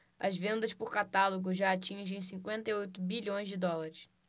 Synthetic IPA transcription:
ɐzvẽnd̪ɐʃpʊɾkat̪aloɡʊʒaat͡ʃĩʒẽj̃sĩŋkwẽnt̪ɐjojt̪ʊbiʎõj̃zd͡ʒɪd̪ɔlaɾɪs

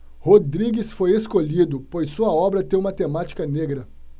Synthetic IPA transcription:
hod̪ɾiɡisfojeskoʎid̪ʊpojsːuɐɔbɾɐt̪ẽṽũmɐt̪emat͡ʃi̥kɐneɡɾɐ

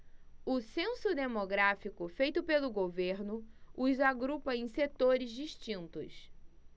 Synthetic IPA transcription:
ʊsẽsʊd̪emoɡɾafikʊfejt̪ʊpelʊɡoveɾnʊʊzaɡɾupɐẽj̃set̪oɾɪzd͡ʒiʃt͡ʃĩnt̪ʊ̰s

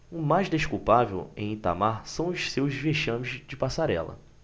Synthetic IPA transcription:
ʊmajʒd̪eʃkuwpavḛwẽj̃ĩt̪a̰maɾsɐ̃w̃ʊʃsewzveʃɐ̃mɪzd͡ʒɪpasaɾɛ̰lɐ̰

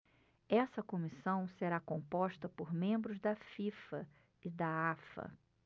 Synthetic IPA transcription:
ɛsɐkomisɐ̃w̃seɾakõpɔʃt̪ɐpoɾmẽmbɾʊzd̪ɐfifɐ | ɪd̪ɐafɐ̰

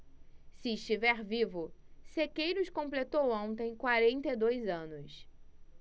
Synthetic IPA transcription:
sɪːʃt͡ʃivɛɾvivʊsekejɾʊskõplet̪owõnt̪ẽj̃kwaɾẽnt̪ed̪ojzɐ̃nʊs

